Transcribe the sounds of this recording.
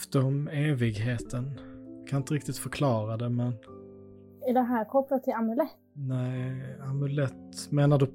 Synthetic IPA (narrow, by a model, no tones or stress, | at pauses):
ft̪əɔmeːvɪɡɦeːt̪ʰənkʰanɪnəɾɪk̚t̪ɪt̪fœɾkʰlɑːɾad̪ɛmɛn | ɪd̪ɛɦæːɾkʰɔplat̪ʰːɪlamʉlɛt̪ːnɛamʉlɛt̪meːnaɖɵ